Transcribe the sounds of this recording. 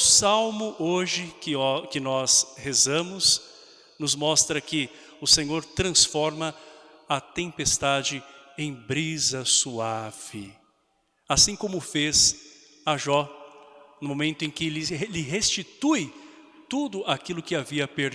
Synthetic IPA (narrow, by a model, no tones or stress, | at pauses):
ʊsawmʊʔoʒɪkɪkɪnɔshezɐ̃mʊs | nʊzmɔst̪ɾɐkɪ | ʊsẽɲoɾt̪ɾɐ̃sfɔɾmɐ | ɐt̪ẽpest̪ad͡ʒɪẽj̃bɾizɐsuav̥ɪ | asĩkõmʊfez | aʒɔ | nʊmõmẽnt̪ʊẽj̃kɪlɪlɪɦest͡ʃit̪ujt̪ud̪ʊakilʊkɪaviɐpeɾ